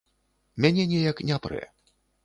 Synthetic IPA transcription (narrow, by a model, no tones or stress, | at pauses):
mʲanʲɛnʲɛjɐknʲapɾɛ̰